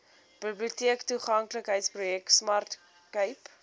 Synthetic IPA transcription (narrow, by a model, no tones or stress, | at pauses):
b̥əbliutiəktuχɐŋkləkɦəjtsprujɛksmɐrt | kəjp